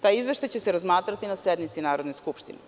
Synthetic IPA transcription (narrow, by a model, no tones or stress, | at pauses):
t̪aːjizʋɛʃt̪ajt͡ɕɛsɛɾazmaːt̪ɾat̪inasɛd̪mit̪sinaːɾod̪nɛskupʃt̪inɛ